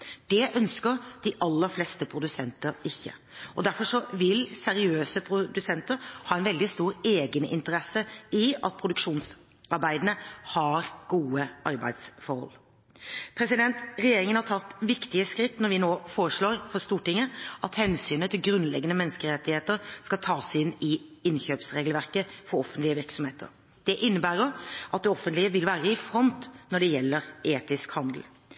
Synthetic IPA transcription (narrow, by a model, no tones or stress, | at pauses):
d̪̥ɛʔœnskəɾd̪̥ɪʔɑlːəɾflɛst̪əpʰɾʊd̪ʉsɛnt̪əɾɪçːə̰ | ʔɔd̪æɾfɔʂɔʋɪlsɛɾɪøːsəpʰɾʊd̪ʉsɛnt̪əɾhɑːɛnʋɛld̪ɪst̪uːɾeːɡənʔɪ̰nt̪əɾɛsːəɪɑ̰t̪̚pʰɾʊd̪ʉkʂuːns | ɑɾbæɪd̪ənəhɑɾɡ̥uːəʔɑɾbæ̰ɪd̪sfɔɾhɔ̰lː | pʰɾɛsɪd̪ɛnt̪ɾɛjeːɾɪŋənhɑʈ̪ʰɑt̪ːʋɪkt̪ɪəskɾɪt̪ːnɔɾʋɪnoːfoːɾəʂɭoːɾfɔst̪uːʈɪŋːəʔɑt̪hɛnsyːnət̪ʰɪlɡɾʉnlɛɡːənəmɛnskəɾɛt̪ːɪheːt̪əɾskɑlt̪ʰɑːsɪnːɪɪnçøːpsɾeːɡlʋæʁkəfɔɾɔfənt̪lɪəʋɪʁksɔmheːt̪ʰə̰ɾ | d̪̥ɛʔɪnːəbæːɾɔʔɑt̪̚d̪ɛɔfənt̪lɪəʋɪlʋæːɾəɪfɾɔnt̪nɔɖɛjɛlːəɾeːt̪ɪskhɑnd̪əl̩